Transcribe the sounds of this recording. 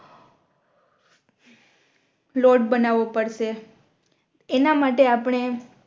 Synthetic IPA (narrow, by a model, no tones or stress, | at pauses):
loɖ̚bənaʋopəɾʃe | enamaʈeapɽ̃e